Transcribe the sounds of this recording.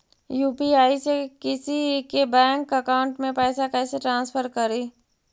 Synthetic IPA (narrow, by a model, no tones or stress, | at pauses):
juːpiaːisekɪsikebɛ̃ːŋkɐkaʊ̃ɳʈmẽpɛːsakɛːseʈɾãːnspʰəɾkɐɾiː